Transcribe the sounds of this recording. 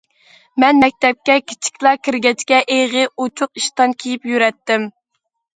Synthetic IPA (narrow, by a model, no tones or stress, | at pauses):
mɛnmɛk̚ʲt̪ɛp̚kʲɛkʲʰi̥t͡ʃʰi̥kʲlˠɑkʲiɾɡʲɛt͡ʃkʲɛʔeʁɨot͡ʃʰʊq̚iʃt̪ɑnkʲʰijipjyɾɛt̪ːɪm